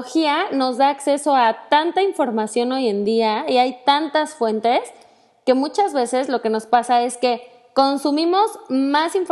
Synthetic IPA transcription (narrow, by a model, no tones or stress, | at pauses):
xiano̞zðaːkse̞so̞at̪ant̪aiɱfo̞ɾmasjo̞no̞je̞nd̪iaiajt̪ant̪asfwe̞nt̪e̞s | ke̞mut͡ʃazβe̞se̞zlo̞ke̞no̞spasae̞ske̞ | ko̞nsumĩmo̞zmasiɱf